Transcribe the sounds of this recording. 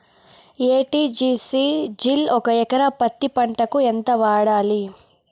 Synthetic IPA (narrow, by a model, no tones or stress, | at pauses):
eːʈiːd͡ʒiːsid͡ʒilɔkɐɛkɐɾɐpɐt̪ːipɐɳʈɐkuent̪ɐʋaːɽaːli